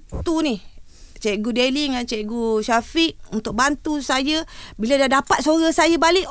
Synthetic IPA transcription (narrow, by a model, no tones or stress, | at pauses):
t̪unih | t͡ʃɛʔɡudeliŋant͡ʃeʔɡuʃafiʔ̚unt̪ʊk̚bant̪usajəbiladadapat̪̚soɾasajabalɪʔ